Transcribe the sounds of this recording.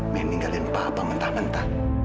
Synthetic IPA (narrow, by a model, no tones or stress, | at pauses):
mɛniŋɡalinpapamənt̪ahmənt̪ah